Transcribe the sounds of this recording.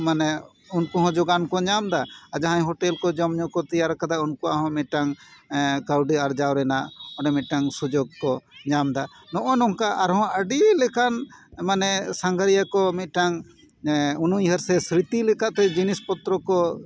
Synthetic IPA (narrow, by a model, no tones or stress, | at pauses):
manɛ | unkuɦɔ̃d͡ʒɔɡankɔɲamd̪aad͡ʒaɦãɲɦɔʈɛlkɔd͡ʒɔmɲɔkɔt̪ijaɾkad̪aunkuwa̰ʔɦɔ̃mit̪̚ʈaŋ | kawɖiaɾd͡ʒawɾɛnaʔɔnɛmit̪̚ˀʈaŋsud͡ʒoɡ̚kɔɲamd̪anɔʔɔnɔŋkaʔaɾɦɔ̃əɖilɛkanmanɛsaŋɡʱəɾijakɔmit̪̚ˀʈaŋ | unujɦəɾsɛsɾit̪ilɛkaʔt̪ɛd͡ʒinispɔt̪ɾɔkɔ